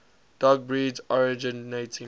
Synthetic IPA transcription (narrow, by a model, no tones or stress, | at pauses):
d̥aɡ̚bɹid͡ʒɔɹid͡ʒinetʰĩ